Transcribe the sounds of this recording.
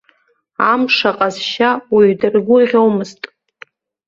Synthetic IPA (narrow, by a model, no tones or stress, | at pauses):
amʂaqʼazʃawiɥdɨrɡʷʊʁʲowmɨztʼ